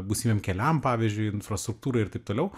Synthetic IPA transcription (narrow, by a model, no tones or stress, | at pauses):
buːsʲimʲeːmkʲɛlʲæmpɑːʋʲiːzʲd͡ʒʲʊɪɪnfɾɐst̪ɾʊk̚t̪uːɾɐɪɪɾt̪ɐɪp̚t̪oːlʲɛʊ